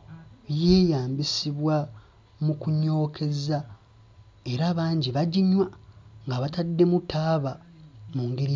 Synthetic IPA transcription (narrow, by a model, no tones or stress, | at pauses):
jeːjaːmbisiβwa | mukuɲo̞ːkʰe̞za | e̞ɾaːβaːɲɟiβaɟiɲwaŋɡaβatadːe̞mutʰaːβamuŋɡeɾi